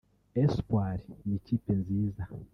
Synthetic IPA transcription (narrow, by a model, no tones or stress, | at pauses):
espwaɾinicipenziza